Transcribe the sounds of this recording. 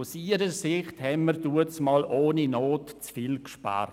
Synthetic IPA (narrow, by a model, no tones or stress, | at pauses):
ʊsiːɾəsɪχthɛmmərduət͡smɑːlʔoːninoːtt͡sfiːlkʃpa̰ːɾ